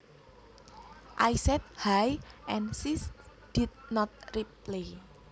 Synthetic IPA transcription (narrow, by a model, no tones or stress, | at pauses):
ʔajsɛt̪̚hajʔɛnsis | d̥id̪̚nɔt̪̚riple